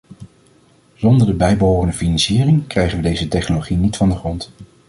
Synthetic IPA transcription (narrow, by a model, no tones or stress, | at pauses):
z̥ɔndəɹdəbɛjbəɦoːrəndəfinɑnsiːrɪŋkrɛjχənʋədejzətɛχnoloχinitfɑndəχrɔnt